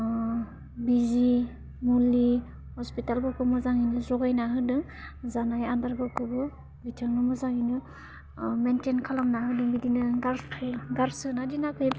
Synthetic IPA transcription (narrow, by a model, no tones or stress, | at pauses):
bizi | muli | hɔspitalbɯkɯmɯzaŋinɯzɔɡajnaɦɯdɯŋ | zanajandaɾbɯkɯbɯ | bitʰaŋnɯmɔzaŋhinɯ | mentenkʰalamnaɦɯdɯŋbidinɯɡaɾkʰɯɡaɾsɯnadinakʰɯj